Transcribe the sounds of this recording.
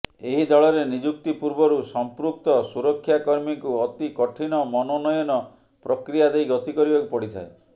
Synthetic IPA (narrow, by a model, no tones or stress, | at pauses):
eɦid̪ɔɭɔɾenid͡ʒuk̚t̪ipuɾbɔɾusɔmpɾuk̚t̪ɔsuɾɔkʰːjakɔɾmiŋkuɔt̪ikɔʈʰinɔmɔnɔnɔjɔnɔ | pɾɔkɾijad̪ejɡɔt̪ikɔɾibakupɔɽit̪ʰa̰e